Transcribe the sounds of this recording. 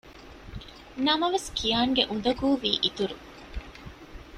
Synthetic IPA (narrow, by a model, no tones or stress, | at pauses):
nɐmɐʋeskʰijaːŋɡeʔund̪ɐɡuːʋḭːʔit̪uɾu